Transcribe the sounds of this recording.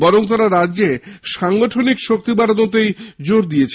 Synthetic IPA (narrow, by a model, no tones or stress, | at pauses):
bɔɾoŋt̪̬aɾaɾadːʑeʃaŋɡoʈʰonikʃok̚t̪ibaɾod̪ot̪ejd͡ʑoɾd̪ijet͡ɕʰ